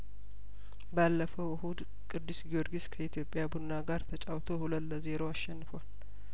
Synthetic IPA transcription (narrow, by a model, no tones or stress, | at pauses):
balːəfəwhud̪ | kʼɨd̪ːɨsɡio̞ɾɡiskʰəit̪ʰjo̞pʼjabunnːaɡaɾt̪ʰət͡ʃʼawt̪ʰo̞hulət̪ləze̞ɾoaʃːɛnːɨfwal